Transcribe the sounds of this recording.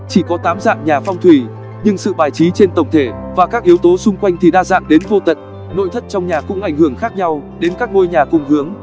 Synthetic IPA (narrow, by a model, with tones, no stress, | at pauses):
t͡ɕi˧˩kɔ˨˦t̪aː˨˦mza̰ː˧˨ŋɲaː˨˩fɔ˧wŋ͡mt̪ʰwi˧˩ | ɲɨ˧ŋsɨ̰˧˨ɓaː˨˩jt͡ɕi˨˦t͡ɕe˧nt̪ə˨˩wŋ͡mt̪ʰe˧˩vaː˨˩kaː˦˥k̚ʔi˨˦əwt̪o˨˦sʊ˧ŋ͡mkwa˧jŋ̟t̪ʰi˨˩ɗaː˧za̰ː˧˨ŋɗe˨˦nvo˧t̪ə̰˧˨n̚ | no̰˧˨jt̪ʰə˦˥t̚t͡ɕɔ˧wŋ͡mɲaː˨˩kʊ̰˧˥ŋ͡mʔa˧˩jŋ̟hɨ˧˩əŋxaː˦˥k̚ɲa˧wɗe˨˦nkaː˦˥k̚no˧jɲaː˨˩kʊ˧ŋ͡mhɨ˨˦əŋ